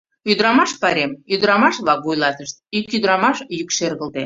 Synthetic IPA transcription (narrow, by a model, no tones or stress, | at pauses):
yd̪ɾɑmɑʃpɑɾemyd̪ɾɑmɑʃβlɑk̚vujlɑt̪əʃt̪̚ikyd̪ɾɑmɑʃjykʃerɣəlt̪e